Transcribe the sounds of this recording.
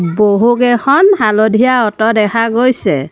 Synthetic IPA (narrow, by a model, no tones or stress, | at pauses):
boɦukɛxɔnhalodʱijaɔtɔdɛkʰaɡojsɛ